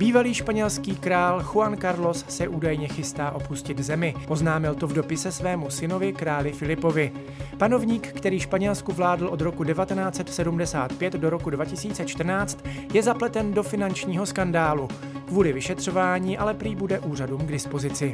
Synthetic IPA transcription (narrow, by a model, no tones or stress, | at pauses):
b̥iːvaliːʃpaɲɛlskiːkɾaːlxuankaɾlo̞ssɛʔuːdajɲɛxɪst̪aːʔo̞puscɪd̪zɛmɪʔo̞znaːmɪlt̪ovdo̞pɪsɛsvɛːmusɪno̞vɪkɾaːlɪfɪlɪpo̞vɪ | pano̞vɲiːkːt̪ɛɾiːʃpaɲɛlskuvlaːdl̩ʔo̞d̪ɾo̞kudɛvat̪ɛnaːt͡sɛt̪sɛdumdɛsa̰ːt̪pjɛt̪do̞ɾo̞kudvacɪsiːt͡sɛt͡ʃt̪r̩naːt͡st̪jɛzaplɛt̪ɛndo̞fɪnant͡ʃɲiːɦo̞skandaːlu | kvuːlɪvɪʃɛt̪r̥o̞vaːɲiːʔalɛpɾiːbudɛʔuːraduːmɡdɪspo̞zɪt͡sɪ